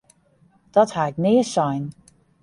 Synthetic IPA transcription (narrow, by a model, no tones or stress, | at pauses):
d̥ɔthaɪk̚nɪəsɔjn